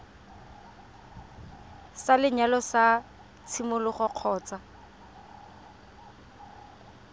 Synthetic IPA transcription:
salɪɲalɔsa | t͡sʰimʊlʊχɔq͡χʰɔːt͡sa

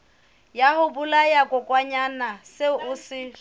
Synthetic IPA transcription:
jahʊbulajakʼɔkʼwaɲanasɪʊsɪ

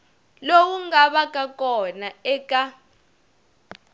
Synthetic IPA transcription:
lowuŋaɓakʼakʼɔnaɛkʼa

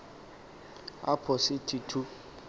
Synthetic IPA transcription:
a̰pʰɔsɪtʰitʰu

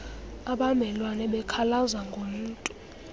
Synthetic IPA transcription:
aɓamʱɛlwanɛɓɛkʰalazaŋɡʱom̩ːtʼu

